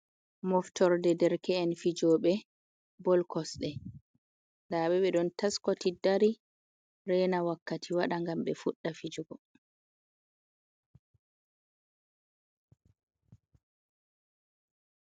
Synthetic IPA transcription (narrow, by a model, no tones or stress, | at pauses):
mɔftɔɾdɛdɛɾkɛɛnfid͡ʒɔːɓɛ | bɔlkɔsɗɛ | ndaːɓɛɓɛɗɔntaskɔtidaɾi | ɾɛnawakːatʰiwaɗaŋɡamɓɛfuɗːafid͡ʒuɡɔ